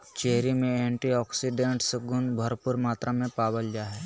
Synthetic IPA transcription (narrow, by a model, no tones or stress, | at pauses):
t͡ʃeɦɾimẽẽːɳʈiɔːksiɖẽɳʈsɡʊnbʱɐɾpʊɾmaːt̪ɾamẽpaːbəld͡ʒaːɦɛ